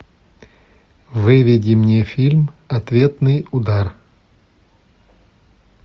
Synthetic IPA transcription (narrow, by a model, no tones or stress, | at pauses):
vɨvʲɪdʲɪmnʲefʲilʲmɐt̪vʲe̞t̪nɨjʊd̪ar